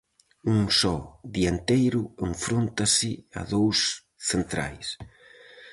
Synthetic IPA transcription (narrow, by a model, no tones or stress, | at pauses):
uŋsɔðient̪ejɾʊeɱfɾont̪asɪa̰ðows | θent̪ɾa̰js